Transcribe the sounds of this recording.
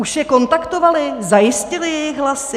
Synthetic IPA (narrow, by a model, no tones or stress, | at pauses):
uʃjɛko̞nt̪akt̪ovalɪzajɪscɪlɪjɛjɪxɦlasɪ